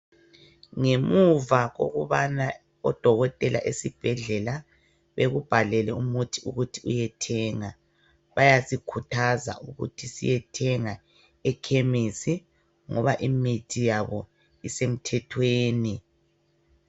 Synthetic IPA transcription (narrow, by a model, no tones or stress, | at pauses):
ŋemuvaɣo̰ɣuβana | ɔd̥ʱɔɣɔtʼɛla̰ʔesib̥ʱɛɮɛla | βeɣub̥ʱalɛlɛumutʰiuɣutʰiujɛtʰɛːŋa | βajasikʰutʰaza̰ʔuɣṵtʰisḭjɛtʰɛŋa | ɛkʰemisi | ŋɔβaʔimitʰijaβɔ̰ | isem̩tʰɛtʰweːni